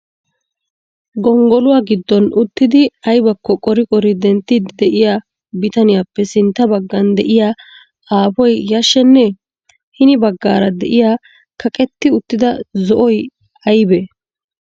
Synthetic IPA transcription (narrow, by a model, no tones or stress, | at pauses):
ɡɔŋɡɔlʊwaːɡɪd̪ːɔnʔʊt̪ːɪd̪ɪɐjbɐkːɔkʼɔɾɪkʼɔɾɪd̪ɛnt̪ːɪd̪d̪ɛʔɪja | bɪt̪ɐnɪjapːɛsɪnt̪ːɐbɐɡːɐnd̪ɛʔɪjaː | aːpɔjjɐʃːɛnːɛ | hɪnɪbɐɡːaːɾɐd̪ɛʔɪjaː | kɐkʼɛt̪ːɪʊt̪ːɪd̪ɐzɔʔɔj | ɐjbɛ